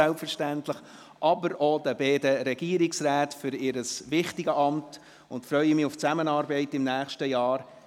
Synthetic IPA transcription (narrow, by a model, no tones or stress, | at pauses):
ælpfəɾʃtæntləχ | ʔɑbəɾodəbɛːdəɾɛɡ̥iːəɾɪksɾæːtfʏɾɪɾəsʋɪχtɪɡəʔɑmt | ʊntfɾœʏəmɪʊft͡sæmənɑːɾbɛɪtɪmnæːχʃtəjɑːɾ